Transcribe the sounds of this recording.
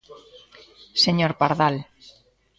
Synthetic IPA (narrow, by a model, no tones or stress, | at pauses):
seɲoɾpaɾðal